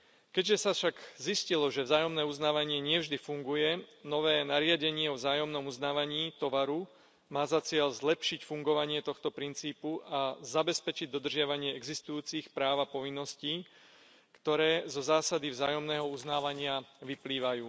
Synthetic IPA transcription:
kɛɟʒɛsafʃaɡziscilɔʒɛvzaːjɔmnɛːuznaːʋaɲɪɛɲɪɛvʒd̪ifuŋɡujɛnɔʋɛːnaɾɪaɟɛɲɪɛɔvzaːjɔmnɔmuznaːʋaɲiːt̪ɔʋaɾu | maːzat͡sɪɛʎzlɛpʃicfuŋɡɔʋaɲɪɛt̪ɔxt̪ɔpɾint͡siːpuʔazabɛspɛt͡ʃiɟ̚d̪ɔd̪r̩ʒɪaʋaɲɪɛɛɡzist̪ujuːt͡sixpɾaːʋapɔʋinːɔsciː | kt̪ɔɾɛːzɔzaːsad̪ivzaːjɔmnɛːɦɔuznaːʋaɲɪaʋipliːʋajuː

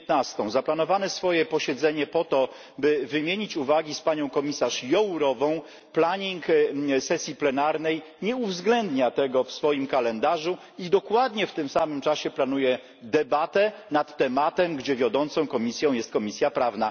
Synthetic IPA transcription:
t̪nast̪ɔ̃w̃zaplanɔvanɛsfɔjɛpɔɕɛd̪zɛɲɛpɔt̪ɔ | bɘvɘmʲjeɲit͡ɕuvaɡʲispaɲɔ̃w̃kɔmʲisaʂjɔwɾɔvɔ̃w̃ | plaɲiŋksɛsʲjiplɛnaɾnɛj | ɲɛuvzɡlɛnd̪ɲat̪ɛɡɔfsfɔjimkalɛnd̪aʐu | id̪ɔkwad̪ɲɛft̪ɘmsamɘmt͡ʂaɕɛplan̪ujɛ | d̪ɛbat̪ɛnat̪ːɛmat̪ɛmɡd͡ʑɛvʲjɔd̪ɔnt̪sɔ̃w̃kɔmʲisʲjɔ̃w̃jɛst̪̚kɔmʲisʲjapɾavna

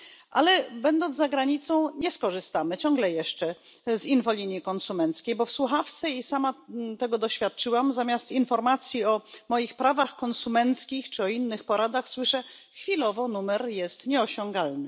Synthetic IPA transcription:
ʔalɛbɛnd̪ɔnzzaɡɾaɲit̪sɔ̃w̃ɲɛskɔʐɘst̪amɘt͡ɕɔŋɡlɛjɛʂt͡ʂɛ | zinvɔlʲiɲjikɔnsumɛnt̪skʲejbɔfswuxaft̪sɛisamat̪ɛɡɔd̪ɔɕfʲjat̪̚t͡ʂɘwamzamʲjast̪infɔɾmat̪sʲjiɔmɔjixpɾavaxkɔnsumɛnt̪skʲixt͡ʂɘɔinːɘxpɔɾad̪axswɘʂɛ | xfʲilɔvɔnumɛɾjɛst̪ɲɛɔɕɔŋɡalnɘ

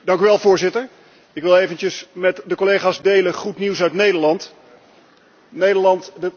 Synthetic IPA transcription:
dɑŋkyʋɛlˠvʊːɹzɪtəɹ | ɪkʋɪlˠejvəntəsmɛtdəkolejχaːzdejləχutniwsœɥtnejdəɹlɑnt | nejdəlɑntdə

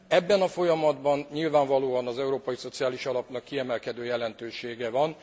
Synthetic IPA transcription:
ɛbːɛnɒfo̞jɒmɒd̪bɒnɲilvaːɱvɒloːɒnɒzɛuɾoːpɒjiso̞t̪sijaːliʃɒlɒpnɒkːiɛmɛlkɛd̪øːjɛlɛnt̪øːʃeːɡɛvɒn

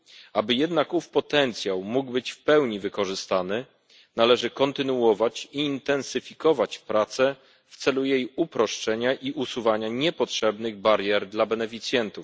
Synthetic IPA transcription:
abɘjɛd̪nakufpɔt̪ɛnt̪sʲjawmuɡbɘt͡ɕfpɛwɲivɘkɔʐɘst̪anɘ | nalɛʐɘkɔnt̪ɘnuɔvat͡ɕiːnt̪ɛnsɘfʲikɔvat͡ɕpɾat̪sɛ | ft̪sɛlujejupɾɔʂt͡ʂɛɲaʔiʔusuvaɲaɲɛpɔtʂɛbnɘɣbaɾʲjɛɾd̪labɛnɛfʲit̪sʲjɛnt̪uf

